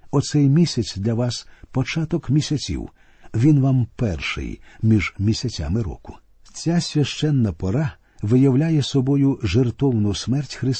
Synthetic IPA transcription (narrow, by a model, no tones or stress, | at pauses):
ɔt̪sɛjmʲisʲɐt͡sʲd̪lʲɐʋɑspɔt͡ʃat̪ɔkmʲisʲɐt͡sʲḭw | ʋʲinʋampɛ̰rʃɪ̰jmʲiʒmʲisʲɐt͡sʲa̰mɪɾɔ̰kʊ̥ | t͡sʲasʲʋʲɐʃt͡ʃɛnːɐpɔɾa | ʋɪjɐwlʲajɛsɔbɔjʊʒert̪ɔwnʊsmɛrtʲxɾɪs